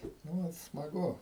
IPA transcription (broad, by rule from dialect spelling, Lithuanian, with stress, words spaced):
nʊ ˈʋɐt smɐˈɡʊ